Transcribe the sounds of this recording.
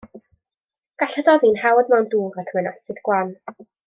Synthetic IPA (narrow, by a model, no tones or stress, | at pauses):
ɡ̥aɬəðɔðinhawɔdmawnduːʁatʰəwɛnɔsɨdɡwan